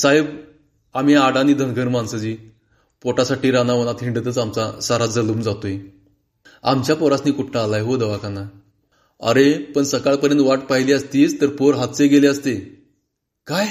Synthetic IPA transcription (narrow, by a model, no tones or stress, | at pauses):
sajəb | am̤iaɽaniːd̪ʱənɡʱəɾmansəd͡ʑiː | poʈasaʈiːɾanaʋənat̪ʰiɳɖət̪ət͡samt͡sasaɾad͡zəluːmd͡zat̪oi | amt͡ɕjapɔɾasniːkuʈʰːaːlajɦod̪əʋakanːa | ə̰ɾepəɳsəkaɭpəɾjənt̪ʋaʈ̚paɦiliəst̪iːst̪əɾpoɾɦat̪t͡seɡeleəst̪e | kaj